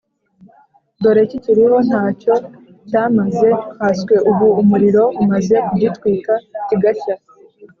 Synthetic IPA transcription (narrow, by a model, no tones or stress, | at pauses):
do̞ɾe̞ciciɾiɦo̞n̥haːco̞ | caːmaze̞haːskwe̞ʔuβuːmuɾiɾo̞umaze̞kuɟitwiːkaciɡaʃa